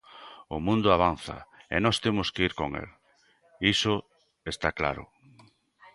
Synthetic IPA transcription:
ʊmũnd̪ʊaβ̞anθɐ̰ḛnɔst̪emʊskeiɾkoŋḛl | isʊ | est̪akla̰ɾʊ̰

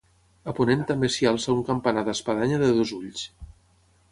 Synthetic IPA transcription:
əpunent̪ambesialˠsəuŋkəmpanaðəspəðaɲəðəðozuʎs

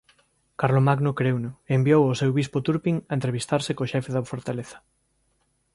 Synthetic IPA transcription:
kaɾlomaɡnokɾewnoembiowosewβispot̪uɾpiŋɐẽnt̪ɾeβ̞ist̪aɾsekoʃɛfeðɐfoɾt̪aleθɐ̥

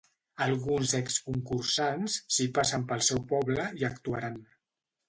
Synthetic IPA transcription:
əlˠɣunzɛkskuŋkursansːipasəmpəlˠsɛwpɔβləiəkt̪uaɾan

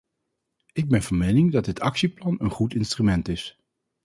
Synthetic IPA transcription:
ɪɡ̚bɛnvɑnmejnɪŋdɑd̚ɪtʰɑksiplɑnənχutɪnstrymɛntɪs

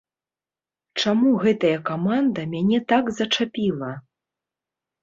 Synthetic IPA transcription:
t͡ʂamuɣɛt̪ɐjɐkamand̪ɐmʲanʲɛt̪aɡzɐt͡ʂapʲilˠɐ

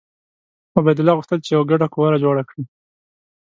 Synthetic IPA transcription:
abajd̪ʊlɑɣʊxt̪əlt͡ʃejawaɡaɖakuwaɾad͡ʒoɽakɽi

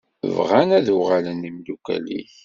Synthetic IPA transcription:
ə̰vʁænæðʊʁalənimlukæ̰lḭç

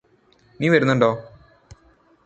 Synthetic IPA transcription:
niːʋɐɾunːuɳɖoː

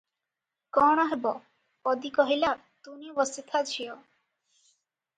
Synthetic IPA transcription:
kɔɽ̃ɔɦebɔ | pɔd̪ikɔɦilaɾ | t̪unibɔst̪it̪ʰat͡ɕʰio

